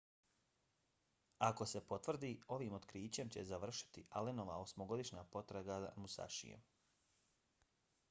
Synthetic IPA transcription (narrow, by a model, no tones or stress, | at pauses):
ako̞se̞po̞t̪vr̩d̪iːo̞ʋiːmot̪kɾiːt͡ɕe̞mt͡ɕezaʋr̩ʃi̥t̪iʔaleno̞ʋa̰osmoɡo̞d̪iʃɲaːpo̞t̪ɾaɡaza̰musa̰ʃḭjḛm